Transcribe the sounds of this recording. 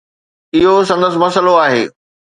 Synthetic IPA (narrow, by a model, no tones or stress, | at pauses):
ɪɦosɐ̃nd̪əs̬ɪ̆mɐsəloaːɦeː